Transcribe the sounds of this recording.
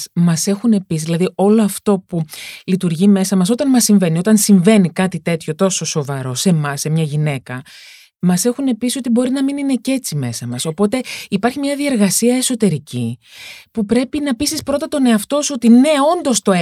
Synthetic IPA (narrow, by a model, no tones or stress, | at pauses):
mɐse̞xune̞pisðilɐðio̞lo̞ɐft̪o̞pulit̪uɾʝime̞sɐmɐs̬o̞t̪ɐnmɐsːiɱve̞nio̞t̪ɐnsiɱve̞nikɐt̪it̪e̞t̪ço̞t̪o̞so̞so̞vɐɾo̞se̞mɐsːemɲɐʝine̞kɐ | mɐse̞xune̞pisio̞t̪ibo̞ɾinɐminine̞ce̞t͡sime̞sɐmɐso̞po̞t̪e̞ipɐɾçimɲɐðie̞ɾɣɐsiɐe̞so̞t̪e̞ɾicipupɾe̞pinɐpisispɾo̞t̪ɐt̪o̞ne̞ɐft̪o̞suot̪ine̞o̞nd̪o̞st̪o̞e